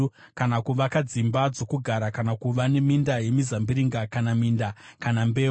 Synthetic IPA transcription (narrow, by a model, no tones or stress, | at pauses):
kanakuʋakad͡zimbad͡zo̞kuɡʱaɾakanakuʋane̞mindaje̞mizambiɾiŋɡakanamindakanambeː